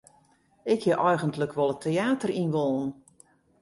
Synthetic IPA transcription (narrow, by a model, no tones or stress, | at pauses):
ɪkhɪʔɔjɣəntləkʰʋɔlˠətʰeaːtərinʋolˠn